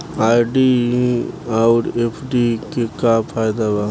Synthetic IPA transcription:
aːjɖiĩaʊɾepʰɖikekapʰaːjd̪aʋa

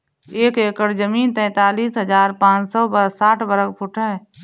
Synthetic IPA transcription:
eːkeːkəɽd͡ʒəmiːnt̪ɛ̃ːt̪aːliːsɦəd͡ʒaːɾpãːt͡ʃsɔːbəɾsaːʈʰbəɾək̚pʰʊʈʰɦɛ

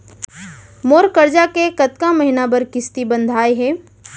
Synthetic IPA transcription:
moːɾkəɾd͡ʒakekɐt̪kamɐɦɪnabɐɾkɪst̪ibə̃nd̪ʱaːeɦɛː

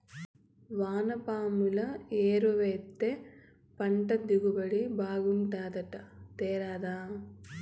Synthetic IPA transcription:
ʋaːnɐpaːmulɐeːɾuʋeːt̪ːe | pɐɳʈɐd̪iɡubɐɭibaːɡuɳʈaːd̪ɐʈɐt̪eːɾaːd̪aː

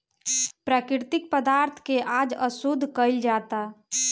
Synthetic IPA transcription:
pɾaːkɪɾt̪ɪk̚pəd̪aːɾt̪ʰkeʔaːd͡ʒəsʊd̪ʱːkəɪld͡ʒaːt̪a

